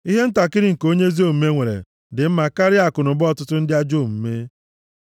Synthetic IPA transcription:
i˦ɦe˦n̩˦ta˨kɪ˦ɾɪ˦ŋ̩˨ko˦ɲe˦zi˦o˦m̩˦me˦ŋʷe˨ɾḛ˨ | dɪ˨m̩˦ma˨ka˦ɾɪ˦a˨kʊ˨nʊ˨bɔ˦˨tʊ˦tʊ˦n̩˦dɪ˦a˦d͡ʒo˦˨m̩˨me˦

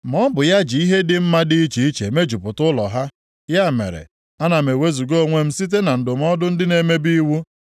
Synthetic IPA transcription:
mɔ˦bʊ˨ja˦d͡ʒi˨i˦ɦe˦dɪ˦m̩˦ma˦di˦i˦t͡ʃi˨i˦t͡ʃe˨me˦d͡ʒu˨pʊ˨tʊ˦lɔ˨ɦa˦ | ja˦˨mḛ˨ɾḛ˨ | a˦na˨me˨we˦zu˨ɡo˦˨ŋʷe˦m̩˦si˦t̬e˦na˨n̩˨dʊ˨m̩˦ɔ˦dʊ˦n̩˦dɪ˦ne˨me˦bi˦wu˦

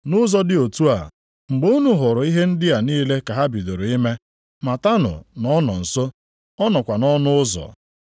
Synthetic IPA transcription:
nʊ˦zɔ˦dɪ˦˨o˨tu˦a̰˨ | ŋ͡m̩˨ɡ͡bo˦u˦nu˨ɦʊ˨ɾʊ˨i˦ɦe˦n̩˦dɪ˦a˨niː˦le˦ka˨ɦa˦bi˨do˨ɾo˨i˦me˦ | ma˨ta˦nʊ̰˨nɔ˦nɔ̰˨n̩˨so˦ | ɔ˦nɔ˨kʷa˨nɔ˦nʊ˦ʊ˦zɔ̰˨

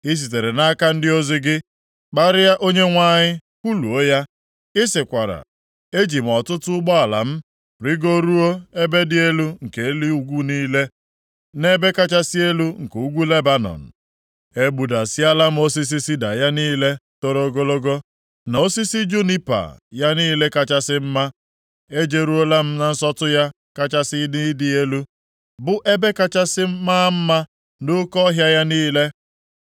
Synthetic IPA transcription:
ɪ˦s̬i˨t̬e˨ɾe˨na˦ka˦n̩˦dɪ˦o˦zɪ˦ɡɪ˦ | k͡pa˦ɾɪ˦ja˦ʔo˦ɲe˦ŋʷa˦˨ɲɪ˦ku˦lu˨o˦ja˦ | ɪ˦sɪ˨kʷa˨ɾa̰˨ | e˦d͡ʒi˨m̩˨ɔ˨tʊ˦tʊ˦ʊ˦ɡ͡bɔ˦a˨la̰˨m̩˦ | ɾɪ˦ɡo˦ɾu˦o˦e˦be˦dɪ˦e˦lu˦ŋ̩˨ke˨˦li˦u˨ɡʷu˦niː˦le˦ | ne˦be˦ka˦t͡ʃa˦sɪ˦e˦lu˦ŋ̩˨ke˨u˦ɡʷu˦le˦ba˦nɔ̰˨n̩˨ | e˦ɡ͡bu˨da˨si˦a˦la˦m̩˦o˦s̬i˦s̬i˦si˦da˨ja˦niː˦le˦to˦ɾo˦ɡo˦lo˦ɡo˦ | na˨o˦si˦si˦d͡ʒu˦ni˦pa̰˨ja˦niː˦le˦ka˨t͡ʃa˦sɪ˦m̩˦ma˦ | e˦d͡ʒe˨ɾu˦o˦la˦m̩˦na˨n̩˦sɔ˦tʊ˦ja˦ | ka˦t͡ʃa˦sɪ˦ni˦di˨e˦lu˦ | bʊ˦ʔe˦be˦ka˨t͡ʃa˦sɪ˦m̩˦maː˦m̩˦ma˦ | nʊ˦kɔ˦ɦja˦ja˦niː˦le˦

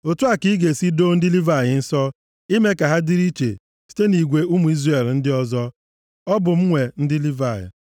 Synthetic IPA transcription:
o˨tu˦a˨ki˦ɡe˨si˦do˦n̩˦dɪ˦li˦va˨ɣɪ˨n̩˦sɔ˦ | i˦me˦ka˨ɦa˦di˦ɾi˦t͡ʃḛ˨ | si̥˦te˦ni˨ɡʷe˨u˦mu˨i˦zre˨ln̩˦dɪ˦ɔ˦zɔ˦ | ɔ˦bʊ˨m̩˦ŋʷe˨n̩˦dɪ˦li˦va˨jɪ̰˨

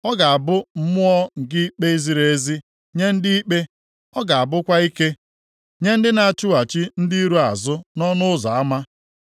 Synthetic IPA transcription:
ɔ˦ɡa˨a˨bʊ˦m̩˦mʊ˦ɔ˦ŋ̩˨ɡɪ˦i˦k͡pe˦i˦zi˦ɾe˨˦zi˦ | ɲe˦n̩˦dɪ˦i˦k͡pe˦ | ɔ˦ɡa˨a˨bʊ˦kʷa˦i˦ke˦ | ɲe˦n̩˦dɪ˦na˨a˨t͡ʃʊ˦wa˨t͡ʃi˦n̩˦di˦i˦ɾu˦a˨zʊ˦nɔ˦nʊ˦ʊ˦za˨a˦ma˦

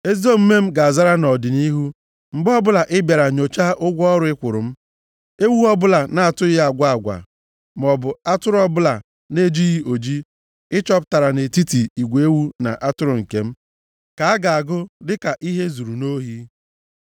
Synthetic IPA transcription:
e˦zo˦m̩˦me˦m̩˦ɡa˨a˨za˦ɾa˦nɔ˨dɪ˨ni˦ɦu˦ | m̩˨bɔ˦bʊ˦la˨ʔɪ˦bja˨ɾa˨ɲo˨t͡ʃa˦ʔʊ˦ɡʷɔ˦ɾʊ˨˦ɪ˦kʷʊ˨ɾʊ˨m̩˦ | e˦wu˦ɔ˦bʊ˦la˨na˨a˨tʊ˦jɪ˦a˨ɡʷa˦a˨ɡʷa̰˨ | m˨ɔ˨bʊ˨a˦tʊ˦ɾɔ˦bʊ˦la˨ | ne˦˨d͡ʒi˦ɣi˦o˨d͡ʒi˦ | ɪ˦t͡ʃɔ˦pta˨ɾa˨ne˨ti˦ti˨i˨ɡʷe˦wu˦na̰˨ʔa˦tʊ˦ɾʊ˨ŋ̩˨ke˨m̩˦ | ka˨a˦ɡa˨a˨ɡʊ˦dɪ˦ka˨ʔi˦ɦe˦zu˨ɾu˨no˦ɦi˦

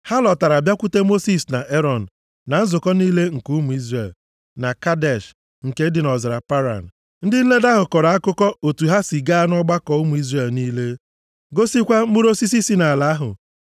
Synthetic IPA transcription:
ha˦lɔ˨ta˨ɾa˨bja˦kʷu˦te˦mo˦si˨sna˨ʔe˦ɾɔ˨n̩˨ | na˨n̩˦zʊ˨kɔ˦niː˦le˦ŋ̩˨ku˦mu˨i˦zɾe˨l | na˨ka˦dɛ˦˨ʃ | ŋ̩˨ke˦dɪ˨nɔ˨zɪ˨ɾa˨pa˦ɾa̰˨n̩˨ | n̩˦dɪ˦n̩˦le˦da˦ɦʊ˨kɔ˨ɾa˨a˦kʊ˦kɔ˦o˨tu˨ɦa˦si˨ɡa˦a˦nɔ˦ɡ͡ba˦kɔ˨u˦mu˨i˦zre˦˨lniː˦le˦ | ɡo˦si˦kʷa˦u˦ɾo˦si˦s̬i˦si˦na˨la˨˦ɦʊ̰˨

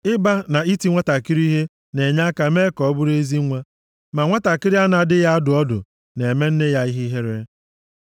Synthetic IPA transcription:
ɪ˦ba˦na˨i˦ti˦ŋʷa˦ta˨ki˦ɾi˦ɦe˦ | ne˨ɲa˦ka˨˦me˦kɔ˨ɔ˦bʊ˦ɾe˦zi˦ŋʷa˦ | ma˨ŋʷa˦ta˨kɪ˦ɾi˦a˦na˨a˦dɪ˦ja˦a˦dʊ˨ɔ˦dʊ̰˨ | ne˨me˦n̩˦ne˦ja˦i˦ɦi˦ɦe˦ɾe˦

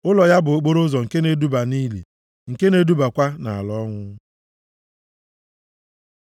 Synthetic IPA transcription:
ʊ˦lɔ˨ja˦bʊ˨o˨k͡po˦ɾʊ˦zɔ˨ŋ̩˨ke˦ne˦du˦ba˨ni˦lḭ˨ | ŋ̩˨ke˦ne˦du˦ba˨kʷa˦na̰˨a˨lɔ˦ŋʷʊ˦

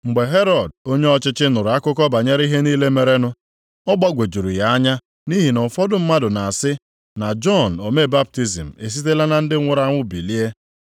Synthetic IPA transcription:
ŋ͡m̩˨ɡ͡be˨ɦe˦ɾɔ˨d̚o˦ɲe˦ɔ˦t͡ʃɪ˦t͡ʃɪ˦nʊ˨ɾʊ˨a˦kʊ˦kɔ˦ba˨ɲe˦ɾi˦ɦe˦niː˦le˦me˨ɾe˦nʊ˦ | ɔ˦ɡ͡ba˦ɡʷe˨d͡ʒu˨ɾu˨ja˨˦a˦ɲa˦ | ni˦ɦi˨nɔ˨fɔ˦dʊ˦m̩˦ma˦dʊ˨na˨a˨sɪ˦ | na˨d͡ʒɔ˦˨n̩˨o˨me˦˨ba˦p̚ti˦zḭ˨m̩˨e˨s̬i˦t̬e˦la˦na˨n̩˦dɪ˦ŋʷʊ˦ɾa˦ŋʷʊ˦bi˨li˦e˦

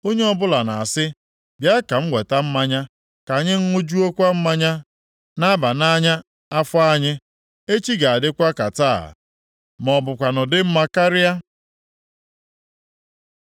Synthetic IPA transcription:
o˦ɲe˦ɔ˦bʊ˦la˨na̰˨a˨sɪ˦ | bja˦ka˨m̩˦ɡʷe˨ta˦m̩˦ma˦ɲa˦ | ka˨ɲɪ˦ŋ̩˦ŋʷʊ˦d͡ʒu˦o˦kʷa˦m̩˦ma˦ɲa˦ | na˦ba˨na˦ɲa˦ | a˦fʊ˦a˦ɲɪ˦ | e˦t͡ʃi˦ɡa˨a˨dɪ˦kʷa˦ka˨ta̰˦˨ | mɔ˨bʊ˨kʷa˨nʊ˨dɪ˦m̩˦ma˦ka˦ɾɪ˦a˦

